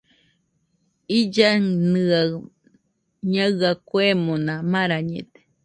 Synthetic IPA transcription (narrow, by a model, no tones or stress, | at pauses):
id͡ʒanɨa | ɲaakʷemonãmaɾaɲḛ̃t̪e̥